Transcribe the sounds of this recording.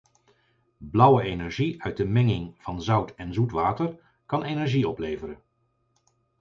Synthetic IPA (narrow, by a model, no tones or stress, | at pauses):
blʌwəejnɛɹʒiœɥt̚dəmɛŋɪŋv̥ɑnzʌwtʰɛnzutʋaːtəɹ | kɑnejnɛɹʒiɔplejvəɾən